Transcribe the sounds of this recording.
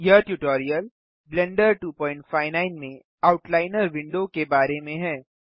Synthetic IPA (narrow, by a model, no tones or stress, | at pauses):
jəʈjuʈɔːɾijəl | blɛ̃ɳɖəɾʈuːpɔ̃ːɪ̃ɳʈfaːɪnaːɪnmẽ | aʊʈlaːɪnəɾʋɪ̃ɳɖokebaːɾemẽɦɛː